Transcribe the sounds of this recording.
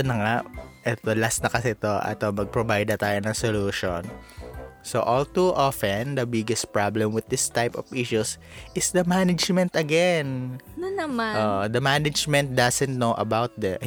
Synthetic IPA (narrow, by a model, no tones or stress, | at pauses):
onɐŋaʔʔɛt̪olasnɐkɐsɛt̪oʔɛ̰t̪omɐɡ̚pɹobajd̪ɐt̪aːjonɐ̃ŋsoluːʃon | soʔɔlt̪uʔɔfɛnd̪ɐbɪɡɛst̪̚pɹablɛmwɪð̚ɪst̪ajpɔviʃus | ʔɪsd̪ɐmanɐd͡ʒmɛnt̪ɐɡɛnnɐmaʔoːʔod̪ɐmanɐd͡ʒmɛ̃nt̪̚d̪ɐsɛ̃nt̪̚noʔɐ̰bawt̪̚d̪ɛ